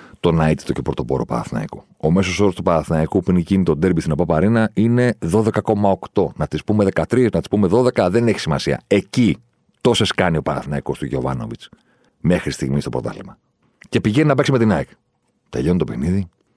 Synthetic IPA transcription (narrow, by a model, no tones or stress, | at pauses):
t̪o̞nɐit̪i̥t̪o̞cepɾot̪opo̞ɾo̞pɐ̰ɾɐ̰θinɐ̰ḭku | ome̞so̞so̞ɾst̪upɐɾɐθinɐikupuinicinit̪od̪eɾbiθinopɐpɐɾinɐine̞ðo̞ðe̞kɐko̞mɐo̞kt̪o̞nɐt̪ispume̞ðe̞kɐt̪ɾisnɐt̪ispume̞ðo̞ðe̞kɐðe̞ne̞çi̥simɐsiɐ̰e̞ci | t̪o̞se̞skɐnio̞pɐɾɐ̰θinɐiko̞st̪uʝo̞̰vɐ̰no̞̰vit͡s | me̞xɾist̪iɣmist̪o̞pɾot̪ɐ̰limɐ | ce̞piʝeninɐpeksimet̪inɐik | t̪e̞̰ʎo̞nt̪o̞pe̞xniði